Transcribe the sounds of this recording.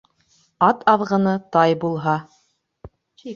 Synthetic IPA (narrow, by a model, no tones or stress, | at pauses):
ɑt̪ɑðʁɤ̆nɤt̪ɑjbulˠɦɑ